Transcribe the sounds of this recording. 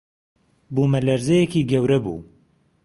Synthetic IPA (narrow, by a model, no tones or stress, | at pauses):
bumɐlɐɾzɛjekiːɡɐwɾɐbṵː